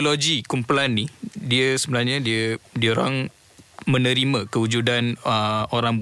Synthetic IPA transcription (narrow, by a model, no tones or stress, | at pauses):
loɡikumpulanːihdiəsəbənarɲãdiədiəoɾaŋ | mə̃nə̃ɾimãkəud͡ʒudanəoɾaŋb